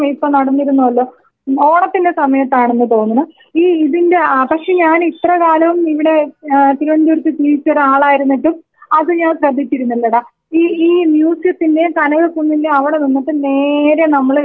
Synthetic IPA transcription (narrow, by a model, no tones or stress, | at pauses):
mipːonɐɽɐnːiɾunːuɐlːoː | o̞ːɽɐt̪ːinde̞sɐmɐjɐt̪ːaːɳenːɨt̪o̞ːnːunɐ | iːiðinde̞pɐkʂe̞ːɲaːnit̪rɐkaːlɐʋumiʋiɽe̞t̪iɾuʋɐnduɾut̪ːit̪iːt͡ɕːɐraːɭaːjiɾunːiʈːum | ɐðɨɲaːnɕrɐd̪ʱːit͡ɕːiɾunːilːɐɽɐ | iːiːnjuːsɐt̪ːindekɐnɐɣɐkːunːilːeɐʋiɽe̞ninːiʈːɨne̞ːɾe̞nɐmːɐɭ